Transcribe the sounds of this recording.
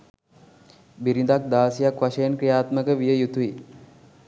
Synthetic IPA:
biɾind̪ak̚d̪aːsijakʋaʃəjənkɾijaːt̪məkəʋijəjut̪ui

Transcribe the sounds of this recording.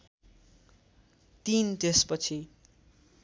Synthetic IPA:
t̪int̪espʌt͡sʰi

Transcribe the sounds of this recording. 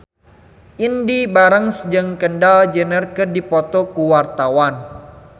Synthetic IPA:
ʔindibaɾəŋsəd͡ʒəŋkəndald͡ʒənərkərdipɔt̪ɔkuwart̪awan

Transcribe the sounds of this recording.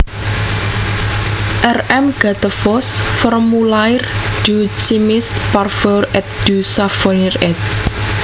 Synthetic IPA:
ʔɛrɛmɡ̥at̪əfɔsfɔrmulajrd̥ut͡ʃimɪsparfərɛt̪̚d̪̥usafɔnirɛt̪̚

